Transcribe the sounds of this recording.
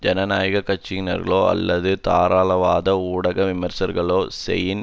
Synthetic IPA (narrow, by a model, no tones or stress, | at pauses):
d͡ʒɛnɐnaːjɣɐkɐt͡ʃːɪɪnɐ̰ɾɣɐɭoːɐ̰lːɐðɯt̪aːɾaːlɐʋaːðɐuːɽɐɣɐʋɪmɐɾsɐɾɣɐɭoːsɛ̰jɪn